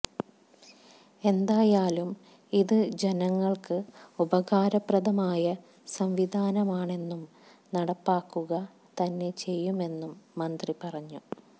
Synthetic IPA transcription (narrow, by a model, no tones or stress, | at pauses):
e̞nd̪aːjaːlum | iðɨd͡ʑe̞nɐŋːɐɭkɨubɐɣaːɾɐprɐðɐmaːjɐ | sɐmʋid̪ʱaːnɐmaːɳe̞nːum | nɐɽɐpːaːkːuɣɐ | t̪ɐnːe̞t͡ɕe̞jːume̞nːumːɐnd̪ripɐrɐɲːu